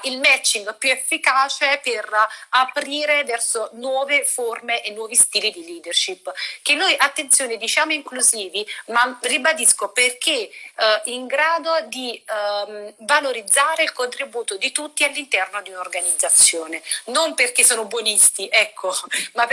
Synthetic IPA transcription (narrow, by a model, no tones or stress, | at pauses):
ilmɛt͡ʃːiŋɡpjuefːikaːt͡ʃeperapɾiːɾevɛrsonwɔːveformeʔenːwɔːvist̪iːlid̪iliːd̪erʃipːk̟enːojʔat̪ːent̪sjoːned̪it͡ʃaːmoiŋkluziːvimaribad̪iskoperk̟e | iŋɡɾaːd̪od̪i | valoɾid̪zːaːɾeilkont̪ɾibuːt̪od̪it̪ut̪ːialːint̪ɛrnod̪iunaorɡanid̪zːat̪sːjoːnenomperk̟esːɔːnobwɔnist̪iʔɛkʰːoma